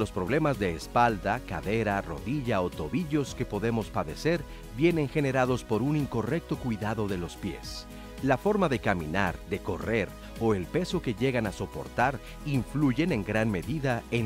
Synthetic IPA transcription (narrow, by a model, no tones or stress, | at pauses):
lo̞spɾo̞β̞le̞mazðe̞ːspald̪aka̰ðe̞ɾaro̞̰ðiʝao̞t̪o̞βiʝo̞ske̞po̞ðe̞mo̞spaðe̞se̞ɾ | bje̞ne̞ŋxe̞ne̞ɾaðo̞spo̞ɾuniŋko̞re̞k̚t̪o̞kwiðaðo̞ðe̞lo̞spje̞̰s | lafo̞ɾmaðe̞kamĩnaɾd̪e̞ko̞re̞ɾ | o̞elpe̞so̞ke̞ʝe̞ɣanaso̞po̞̰ɾt̪aɾ | iɱfluʝe̞ne̞ŋɡɾanme̞ðiðae